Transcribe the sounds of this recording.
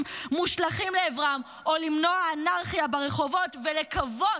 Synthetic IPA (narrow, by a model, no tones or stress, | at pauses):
mmuʃlaχimleːvʁam | olimno̞aːnaʁχijabaʁeχo̞vo̞tvelekavo